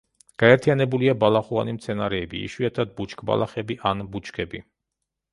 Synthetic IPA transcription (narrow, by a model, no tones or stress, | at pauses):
ɡ̥aɛɾt̪ʰijanɛbuliabalaχua̰nimt̪sʰɛnaɾɛːbḭḭʃwiat̪ʰad̪̚but͡ʃʰkʰʼba̰lˠaχɛbiʔanbut͡ʃkʰɛbi